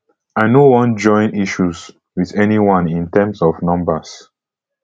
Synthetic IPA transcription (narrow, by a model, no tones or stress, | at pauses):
aɪnowɔ̃nd͡ʒɔ̃ɪ̃niʃuz | wiðɛniwãnĩntɛmsɔvnʌ̃mbəs